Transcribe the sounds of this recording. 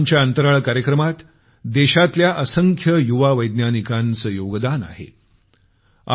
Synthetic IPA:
ɲt͡ɕjaənt̪əɾaɭkaɾjəkɾəmat̪ | d̪eɕat̪ljaʔəsəŋkʰjəjuʋaʋəjd̪njanikant͡səjoɡd̪ana̰ɦḛ | a̰

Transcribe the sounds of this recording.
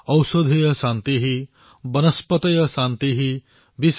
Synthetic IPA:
ʌwsod̪ʱijɔsant̪iɦi | bɐnɐspɔt̪ɐjɔsant̪iɦi | bis

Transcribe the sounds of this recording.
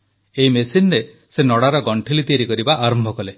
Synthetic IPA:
eimesinɾe | senɔɽaɾɔɡɔɳʈʰilit̪ieɾikɔɾibaʔaɾɔmbʱɔkɔle

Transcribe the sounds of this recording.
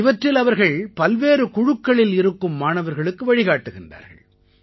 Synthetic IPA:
ɪʋɐʈrɪlɐʋɐɾɣɐɭpɐlʋeːɾɯkʊɻʊkːɐɭɪlɪɾɯkːɯmːaːnɐʋɐɾɣɐɭɯkːɯʋɐɻɪɣaːʈːɯɣɪndra̰ːɾɣɐ̰ɭ

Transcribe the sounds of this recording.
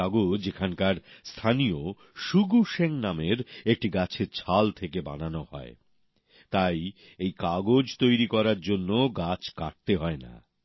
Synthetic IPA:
aɡod͡ʑekʰankaɾst̪ʰanijo | ʃuɡuʃeŋnameɾek̚ʈiɡat͡ɕʰeɾt͡ɕʰalt̪ʰekeba̰nanohɔ̰e | t̪aj | ejkaɡod͡ʑt̪ojɾikɔɾaɾd͡ʑonːoɡat͡ɕʰka̰ʈ̚t̪eɦɔena̰

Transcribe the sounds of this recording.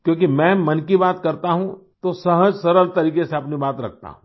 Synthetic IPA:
kjõːk̬imɛ̃ːmɐnkibaːt̪kɐɾt̪aɦũt̪osɐɦəd͡ʒsɐɾəlt̪ɐɾiːkeseɐpnibaːt̪ɾɐk̚ʰt̪a̰ɦũ

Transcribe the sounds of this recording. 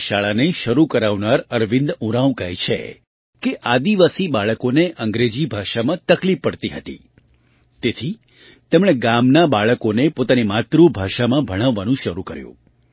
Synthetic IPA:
ʃaɭaneʃəɾukəɾaʋnaɾəɾʋɪ̃nd̪ũɾaũkəɦit͡ʃʰḛ | keʔad̪iʋasibaɭəkoneʔəŋɡɾed͡ʒibʱaʃamãt̪əklipːəɽt̪iɦət̪ḭ | t̪et̪ʰi | t̪ɛmɽ̃eɡamnabaɭəkonepot̪animat̪ɾubʱaʃamãbʱəɽ̃əʋːanũʃəɾukəɾjṵ̃

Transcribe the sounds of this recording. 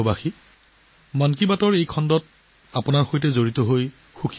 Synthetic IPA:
ɔbaxi | mankibatɔɹejkʰɔndɔt̚ | apʊnaɹxojtɛzoɹitɔɦoj | xukʰi

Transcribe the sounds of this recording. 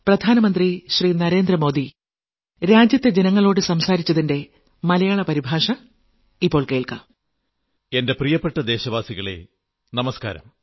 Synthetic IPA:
prɐd̪ʱaːnɐmɐnd̪riɕriːnɐɾe̞ːnd̪rɐmo̞ːd̪i | ɾaːd͡ʑjɐt̪ːe̞d͡ʑenɐŋːɐɭo̞ːɽɨsɐmsaːɾit͡ɕːɐðinde̞ | mɐlɐjaːɭɐpɐɾibʱaːʂɐ | ipːo̞ːɭke̞ːɭka̰ | e̞nde̞prijɐpːeʈːɐd̪e̞ːɕɐʋaːsiɣɐɭe̞̰ | nɐmɐska̰ːɾɐ̰m

